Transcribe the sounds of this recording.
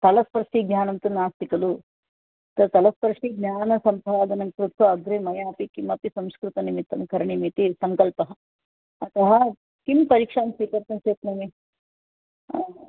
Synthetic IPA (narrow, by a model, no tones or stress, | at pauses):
t̪ɐlɐspɐɾʂʈiːɡnʲaːnɐnt̪ɐnaːst̪ikɐlu | t̪ɐt̪ɐlɐspɐɾʂʈiɡ̚nʲaːnɐsɐmpʰaːd̪ɐnɐkɾut̪ʰʋɐːd̪ɾeːmɐjaːpikimɐpisɐmskɾut̪ɐnimit̪ːɐmkʰɐɾɐɳimit̪isɐŋkɐlpɐɦɐ | ɐt̪ɐɦɐ | kimpɐɾiːkʂaːmsʋiːkɐɾt̪ɐnseːt̪nimi